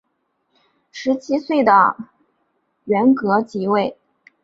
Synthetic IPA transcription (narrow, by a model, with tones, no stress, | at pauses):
ʂɻ̩˧˥t͡ɕʰi˥swe˥˩ɪd̪ə̰˩ | ɥɛ˧˥nkɤ˧˥t͡ɕi˧˥we˥˩ɪ